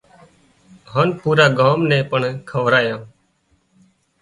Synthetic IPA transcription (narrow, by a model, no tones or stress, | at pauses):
ɦaːnpuːɾaːɡaːmnɛ̃ːpəɳkʰəʋɾaːjãː